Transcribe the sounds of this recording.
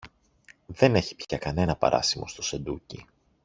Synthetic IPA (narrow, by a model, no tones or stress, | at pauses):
ðe̞ne̞çi̥pçɐkɐne̞nɐpɐ̰ɾʔɐ̰simʔo̞st̪o̞se̞nd̪ucḭ